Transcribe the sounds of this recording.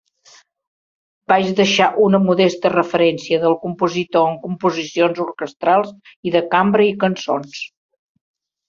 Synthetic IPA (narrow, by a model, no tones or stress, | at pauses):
b̥aʒðəʃaʔunəmuðɛst̪ərəfəɾɛnsiəðəlˠkumpuzit̪oəŋkumpuzisionzuɾkəst̪ɾalˠziðəkambɾəikənso̰ns